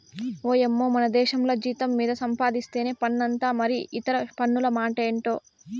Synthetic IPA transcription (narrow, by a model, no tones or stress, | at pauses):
oːemːoːmɐnɐd̪ɛːʃɐmlo̞ːd͡ʒiːt̪ɐmːiːd̪ɐsɐmpaːd̪ist̪e̞ːneːpɐɳːɐnt̪aːmɐɾiʔit̪ɐɾɐpɐɳːulɐmaːʈɐeɳʈo̞ː